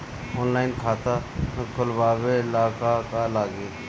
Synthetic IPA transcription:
oːnlaːɪnkʰaːt̪ãːkʰʊlʋaːʋeɪlaːkakalaːɡeː

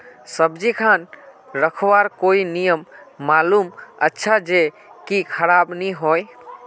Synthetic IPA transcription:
səbd͡ʒikʰan | ɾəkʰwaɾkoinijəmːalumətːʃʰad͡ʒe | kikʰəɾabniɦɔj

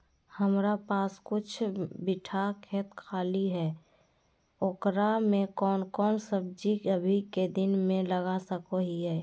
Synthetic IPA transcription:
həmɾapaːskʊt͡ʃʰbɪʈʰakʰeːt̪kʰaːliɦɛː | oːkɾamẽkɔːnkɔːnsəb̚d͡ʒiəbʱiked̪ɪnmẽləɡasəkoɦiɦɛː

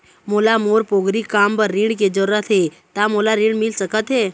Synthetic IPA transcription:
molamoːɾpoːɡɾikampəɾːĩɳɖked͡ʒəɾːət̪ʰɦe | t̪amolaɾĩɳɽmɪlsəkət̪ɦeː

